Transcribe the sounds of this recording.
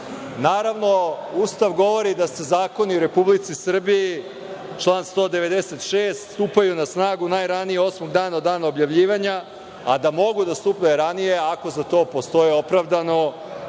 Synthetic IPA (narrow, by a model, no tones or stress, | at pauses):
naːɾaʋno̞ust̪aʋɡo̞ʋo̞ɾid̪ase̞zaːko̞niuɾe̞publit̪sisr̩bii | t͡ʃlˠaːnst̪o̞ːd̪e̞ʋe̞d̪eset̪ʃeːst̪st̪uːpajunasnaːɡunajɾanijeo̞smoɡd̪aːnaod̪aːnaobjaʋʎiːʋaɲa | a̰d̪amo̞ɡud̪ast̪uːpeɾanije̞ako̞zat̪o̞ːpo̞st̪o̞io̞pɾaʋd̪ano̞